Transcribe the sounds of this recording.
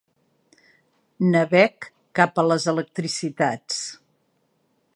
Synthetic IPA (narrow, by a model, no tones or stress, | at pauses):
nəβɛkː | apələzələk̚t̪ɾisit̪at͡s